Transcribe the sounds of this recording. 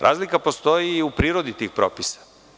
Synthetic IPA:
ɾʔa̰ːzlikapo̞st̪o̞jiupɾiːɾo̞d̪it̪iːxpɾo̰ːpisḁ

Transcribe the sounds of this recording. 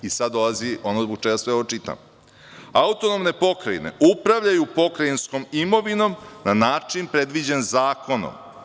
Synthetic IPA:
isad̪ːolˠazio̞nozboɡ̚t͡ʃɛɡasʋe̞o̞ot͡ʃit̪a̰m | aut̪o̞no̞mne̞po̞kɾaine̞̰ʔupɾaʋʎajupo̞kɾajinsko̞mimo̞ʋino̞mnanaːt͡ʂinpɾe̞d̪ʋid͡ʑenzaːko̞no̰m

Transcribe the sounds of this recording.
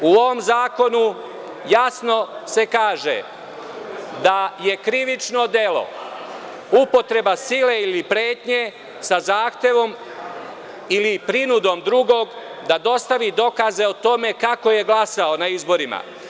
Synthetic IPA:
uoʋomzaːko̞nu | jasno̞se̞kaːʒḛ | d̪aje̞kɾiʋit͡ʃno̞d̪e̞lo̞̰ | upo̞t̪ɾe̞basile̞ilipɾeːt̪ɲe̞ | sazaːxt̪je̞ʋo̞m | ilipɾinud̪o̞md̪ɾuɡo̞ːɡd̪ad̪o̞st̪aʋid̪o̞kaze̞ot̪o̞me̞kako̞je̞ɡlasao̞naizbo̞ɾima̰

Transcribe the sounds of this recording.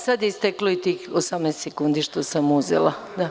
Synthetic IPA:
sad̪ist̪ekloit̪iːxosamnest̪sekund̪iʃt̪osamuzḛla | d̪a

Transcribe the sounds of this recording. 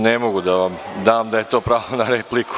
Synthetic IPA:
nemoɡud̪aʋamd̪aːmd̪aje̞t̪o̞ːpɾaːonaɾeplikʰu̥

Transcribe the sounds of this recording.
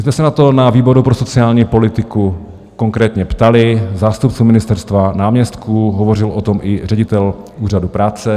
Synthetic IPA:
zmɛsɛnat̪o̞naviːbo̞ɾupɾoso̞t͡sɪaːlɲiːpo̞lɪt̪ɪku | ko̞ŋkɾɛːt̪ɲɛpt̪alɪzaːst̪upt͡sumɪnɪst̪ɛɾst̪vanaːmɲɛst̪kʰuɦovo̞rɪlʔot̪o̞mʔɪr̝ɛɟɪt̪ɛl | uːr̝adupɾaːt͡sɛ

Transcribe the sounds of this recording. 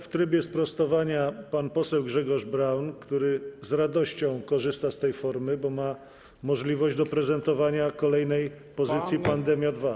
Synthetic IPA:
ft̪ɾɘbʲjɛspɾɔst̪ɔvaɲapanpɔsɛwɡʐɛɡɔʐbɾawnkt̪uɾɘzɾad̪ɔɕt͡ɕɔ̃w̃kɔʐɘst̪ast̪ɛjfɔɾmɘbɔma | mɔʐlʲivɔʑd͡ʑd̪ɔpɾɛzɛnt̪ɔvaɲakɔlɛjnɛj | pɔzɘt̪sʲjipand̪ɛmʲjad̪va

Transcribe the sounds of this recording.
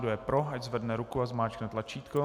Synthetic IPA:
dujɛpɾoaczvɛdnɛɾukuazmaːt͡ʃknɛt̪lat͡ʃiːt̪ko

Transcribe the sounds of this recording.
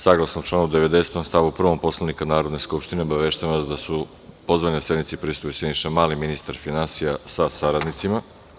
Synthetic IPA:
saɡlˠasnot͡ʃlˠaːnoud̪eʋe̞d̪e̞set̪omst̪aʋupr̩ʋompo̞slˠanikanaːɾo̞d̪ne̞skupʃt̪ineo̞baʋeʃt̪aʋasd̪asu | po̞zʋaɲase̞d̪nit̪sipɾist̪ojused̪niʃamaːliminist̪aɾfinansijasasaɾad̪nit̪sima

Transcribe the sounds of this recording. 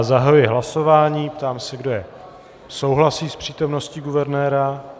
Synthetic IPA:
zaɦajujɪɦlaso̞vaːɲiːpt̪aːmsɛɡdo̞jɛ | so̞wɦlasiːspr̝̥iːt̪o̞mno̞sciɡuvɛɾnɛːɾa

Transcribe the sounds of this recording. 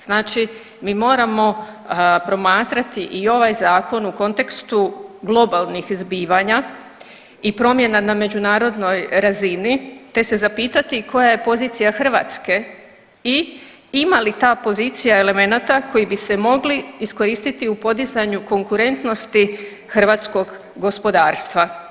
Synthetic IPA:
z̥naːt͡ʃi | miːmo̞ːɾamo̞pɾo̞maːt̪ɾat̪iʔio̞ʋajzaːko̞nuko̞nt̪e̞kst̪uɡlˠo̞balˠnixzbiːʋaɲa | ipɾo̞mje̞naname̞d͡ʒunaːɾo̞d̪no̞jɾazinit̪e̞se̞zapiːt̪at̪iko̞jaje̞po̞ziːt̪sijaxr̩ʋa̰ːt̪ske̞ | i | imalit̪aːpo̞ziːt̪sijae̞le̞me̞nat̪ako̞jibise̞mo̞ɡliisko̞ɾiːst̪it̪iupo̞d̪izaɲuko̞ŋkuɾe̞nt̪no̞st̪i | xr̩ʋat̪sko̞ɡ | ɡo̞spo̞d̪aːɾst̪ʋa

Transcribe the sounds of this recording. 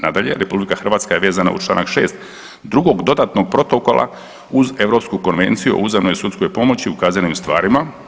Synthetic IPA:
nad̪aʎe̞̰ɾe̞publikaxr̩ʋaːt̪skajeʋeːzana̰ṵt͡ʃlˠa̰ːnakʃe̞̰ːst̪ | d̪ɾuɡo̞ɡd̪o̞d̪at̪no̞ɡ̚pɾo̞t̪oko̞lˠa̰ | uze̞ʋɾo̞pskuko̞nʋe̞̰nt̪sijuo̰uzamnojsut̪sko̞jpo̞mo̞t͡ɕiukaːzanimst̪ʋa̰ːɾima

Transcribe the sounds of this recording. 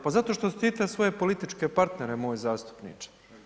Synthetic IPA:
pazat̪o̞ʃt̪osu̥t̪iːt̪asʋo̞jepo̞lit̪it͡ʃkepaɾt̪neɾemo̞ːjzaːst̪u̥pnḭːt͡ʃ

